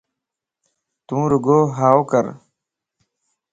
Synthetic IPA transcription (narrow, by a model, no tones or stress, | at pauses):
t̪ũːɾuɡoːɦaːwkɐɾ